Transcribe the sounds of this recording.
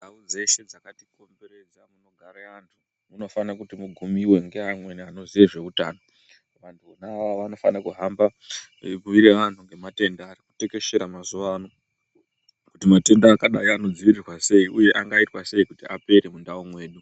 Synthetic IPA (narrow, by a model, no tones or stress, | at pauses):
daud͡ze̞se̞d͡zakatiko̞mbeɾe̞d͡zamuno̞ɡʱaɾeantʰu | muno̞fanakutimuɡʱumiwe̞ŋɡe̞amwe̞niano̞ziʋeʐe̞uta̰ːno | ʋantʰuonaːʋaʋanofanakuɦambabuʋiɾeʋantʰuŋɡe̞mate̞ndaːrikute̞ke̞ʃe̞ɾamazuʋaːno | kutimate̞ndaːkaɗajiano̞d͡ziʋirirwase̞iʔuje̞ʔaŋɡaitwase̞ikutiape̞ɾe̞mundaomwe̞ːɗu